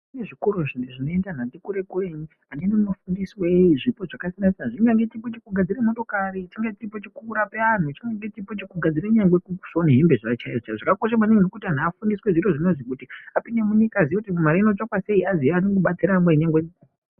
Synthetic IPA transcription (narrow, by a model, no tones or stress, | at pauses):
ineʐikuɾuʐiniʐinoendanatikuɾe̞kureɲi | aninomafundisweʐipo̞ʐakasinasʐiŋɡaŋɡetipot͡ʃikuɡʱad͡ziɾemo̞to̞kaɾit͡ʃiŋɡetiripot͡ʃikuɾape̞an̤ut͡ʃiŋɡaŋɡe̞tipot͡ʃikuɡʱad͡ziɾaɲaŋɡwekusoneɦembeʐat͡ʃaiʐt͡ʃaʐakako̞ʃ̬amaninokutian̤afundisweʐiro̞ʐinozikutiapiɲemuɲikaziekutikumaɾainot͡ʃokwase̞iaziaːniŋɡoɓat͡siɾameɲaŋɡwe